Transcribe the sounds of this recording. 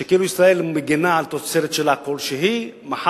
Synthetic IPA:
ʃekeiluisʁae̞lmeɡenaːlt̪ot͡seɾet̪ʃelako̞lʃeɦi | maħ

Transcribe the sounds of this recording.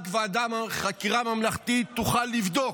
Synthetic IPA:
kvead̪amχakiʁamamlaχt̪it̪ːuχalːivd̪o̞k

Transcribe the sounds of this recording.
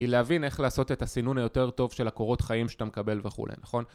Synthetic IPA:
ileavine̞χlaːso̞te̞tasinunajo̞te̞ʁt̪o̞vʃe̞lako̞ʁo̞tχaimʃatamekabe̞lve̞χṵlʔḛjnaχo̞n

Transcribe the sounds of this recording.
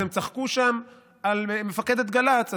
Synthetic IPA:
emt͡saχkuʃam | almefake̞d̪et̪̚ɡalat͡sa

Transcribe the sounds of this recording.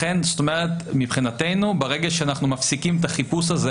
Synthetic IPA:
enzot̪omeʁ̞etmipχinate̞jnubeʁeɡeʃeanaχnumafsikimet̪aχipusaze

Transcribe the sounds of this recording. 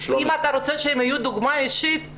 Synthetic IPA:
imat̪aɾot͡seʃeemhajud̪uɡmaeʃit̪

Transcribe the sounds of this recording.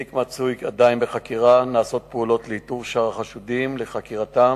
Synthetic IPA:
ikmat͡sujkad̪ajnbeχakiʁanaːso̞t̪̚peulo̞tlehituvʃaʁaχaʃudimle̞χakiʁat̪am

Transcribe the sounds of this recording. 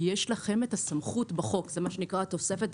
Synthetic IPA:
jeʃlaχe̞metasamχutbaχo̞kzemaʃenikʁat̪o̞se̞fet̪

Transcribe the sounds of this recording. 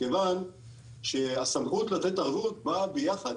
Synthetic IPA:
kevan | ʃeasamχut̪latet̪aʁvut̚babejaχa

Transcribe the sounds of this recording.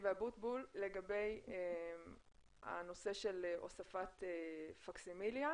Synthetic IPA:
veabut̪bulːe̞ɡabe̞jem | a̰no̞se̞ʃe̞lʔo̰safat̪efaksimilja

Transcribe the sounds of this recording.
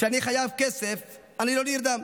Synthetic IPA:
ʃeaniχajavkesef | aniloniɾd̪am

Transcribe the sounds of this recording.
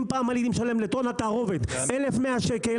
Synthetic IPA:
mpaːmalid̪imʃalemlet̪onat̪aʁo̞ved̪elefmeaʃeke

